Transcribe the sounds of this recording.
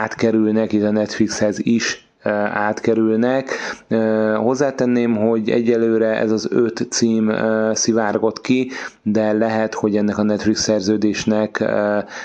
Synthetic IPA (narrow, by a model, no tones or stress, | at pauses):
aːt̪kɛɾylnɛkit̪ːɒnɛt̪flikshɛziʃ | aːt̪kɛɾylnɛkː | ho̞zːaːt̪ɛnːeːmɦo̞ɟɛ̰ɟːɛlːøːɾɛʔɛ̰zɒzøt̪siːmsivaːrɡo̞t̪kid̪ɛlɛɦɛt̪ho̞ɟɛnːɛkɒnɛt̪fliksɛrzøːd̪eːʃnɛk